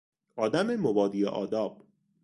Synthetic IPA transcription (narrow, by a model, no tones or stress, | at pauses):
ʔɒːd̪æmemobɒːd̪iːḛʔɒ̰ːd̪ɒːb̥